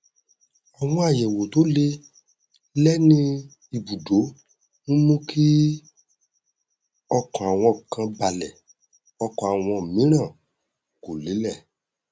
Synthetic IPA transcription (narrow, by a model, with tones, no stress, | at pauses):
ɔ˨w̃ɔ̃˧˦a˨jɛ˨wo˨to˨˦le˧ | lɛ˦nĩ˦ | i˨bu˨do˨˦ | nũ˦mũ˦kʰi˦ | ɔ˧kɔ̃˨a˨w̃ɔ̃˧kã˧ba˨lɛ˨ | ɔ˧kɔ̃˨a˨w̃ɔ̃˧˨mĩ˨˦ɾ̃ã˦˨ | ko˨le˨˦lɛ˦˨